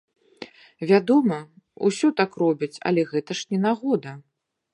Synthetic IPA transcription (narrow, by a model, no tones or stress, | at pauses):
vʲad̪ɔmɐ | ṵsʲɔt̪akrɔbʲit͡sʲɐ̰lʲɛɣɛt̪ɐʂnʲɛnaɣɔd̪ɐ